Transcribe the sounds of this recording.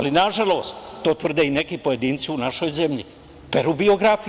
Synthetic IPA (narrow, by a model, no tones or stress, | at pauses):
alinaʒalo̞ːst̪ːo̞ːt̪ʋr̩d̪eine̞kipo̞je̞d̪iːnt̪siunaʃo̞jze̞mʎḭ | peɾubio̞ɡɾafi